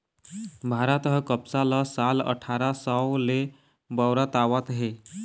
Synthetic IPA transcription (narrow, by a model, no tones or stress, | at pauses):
bʱaɾat̪ɦəkəpsaləsalə̰ʈʰaɾasəle | bəwɾət̪aʋət̪ɦe